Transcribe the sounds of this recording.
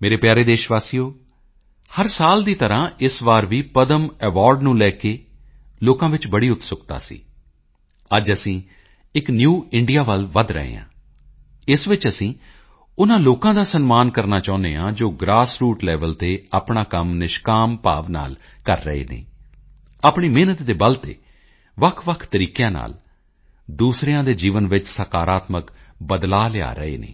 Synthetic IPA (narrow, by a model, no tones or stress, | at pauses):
meːɾeːpjaːɾeːd̪eːʃʋaːsijoː | həɾsaːld̪iːt̪əɾãːʔɪsʋaːɾʋiːpəd̪əmɛːʋaːɾɖnũːlɛːkeː | loːkãːʋɪt͡ʃbəɽiːʊt̪sʊkt̪a̰ːsḭː | əd͡ʒəsĩː | ɪknjuːɪɳɖijaːʋəlʋəd̪ɾə̰ɦḛːã̰ː | ɪsʋɪt͡ʃəsĩː | ʊnãːloːkãːd̪aːsənmaːnkəɾnaːt͡ʃãːʊneːãːd͡ʒoːɡɾaːsɾuːʈlɛːʋəlt̪eːapɳaːkəmnɪʃkaːmpaːʋna̰ːl | kəɾːə̰ḛːnḛː | aːpɳiːmeːnət̪d̪eːbəlt̪ḛː | ʋəkʰʋəkʰt̪əɾiːkjãːna̰ːl | d̪uːsɾejãːd̪eːd͡ʒiːʋənʋɪt͡ʃsəkaːɾaːt̪məkbəd̪laːlɪa̰ːɾəḛːnḛː